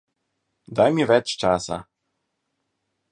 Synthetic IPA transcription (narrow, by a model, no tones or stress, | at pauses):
d̪ajmiʋɛt͡ʃt͡ʃaːsa̰